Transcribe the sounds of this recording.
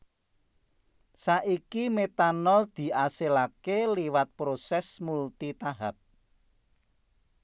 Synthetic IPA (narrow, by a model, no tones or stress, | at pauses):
saʔikimet̪anɔld̪̥i̤ʔaselakeliwat̪̚pɾosɛsmult̪it̪aɦap̚